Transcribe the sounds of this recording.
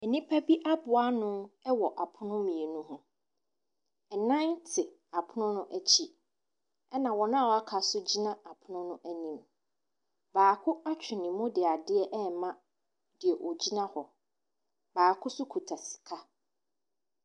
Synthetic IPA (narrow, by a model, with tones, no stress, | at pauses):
ɛ˨nĩ˦pʰa˦bi˦ʔa˦bʊ˨a˦nʊ̃˦ɛ˦wɔ˨ʔa˨pʰʊ˦nʊ̃˦mĩ˨e˨nũ˦ɦʊ̃˦ | ɛ˨nã˦ntʰɪ˨ | a˨pʰʊ˦nʊ̃˦nʊ̃˦ʔæ˨t͡ɕʰi˦ | ɛ˦nã˨wɔ˨nã˦˨ɔ˨a˦kʰa˨sʊ˦d͡ʑi˦nã˦a˨pʰʊ˨nʊ̃˦nʊ̃˦ʔæ˦nĩ˨m | baː˨kʰʊ˦a˦t͡ɕᶣʰɪ˨nĩ˨mʊ̃˦dɪ˨a˨dɪ˦ɛ˦ʔɛ˦mã˦ | dɪ˨ɛ˨ʔɔ˨d͡ʑi˦nã˦hɔ˨ | baː˨kʰʊ˦sʊ˦kʰu˨tʰa˨sɪ̥˨kʰa˦